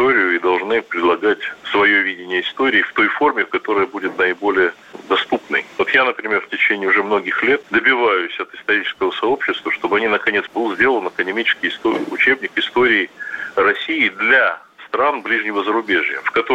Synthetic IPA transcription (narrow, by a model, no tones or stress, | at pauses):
oɾʲɪjʊid̪ɐlˠʐnɨpɾʲɪd̪lˠɐɡatʲsvɐjo̞vʲidʲɪnʲɪjəɪst̪o̞ɾʲɪːft̪o̞jfo̞rmʲɪfkɐt̪o̞ɾəjəbudʲɪt̪nəɪbo̞lʲɪjə | d̪ɐst̪upnɨ̰jvo̞t̪janəpɾʲɪmʲerftʲɪt͡ɕenʲɪːʊʐɛmno̞ɡʲɪxlʲe̞t̪̚d̪əbʲɪvajʊsʲɐt̪ɪ̥st̪ɐɾʲit͡ɕɪ̥skəvəsɐo̞pɕːɪst̪vəʂt̪o̞bɨɐnʲinəkɐnʲe̞t̪sbɨlˠzʲdʲe̞lˠənɐkənʲɪmʲit͡ɕɪ̥skʲɪɪst̪oʊ̰t͡ɕe̞bnʲɪkɪst̪o̞ɾʲɪːrɐsʲijɪd̪lʲa | st̪ɾanblʲiʐnʲɪvəzəɾʊbʲe̞ʐjə̰fkɐt̪o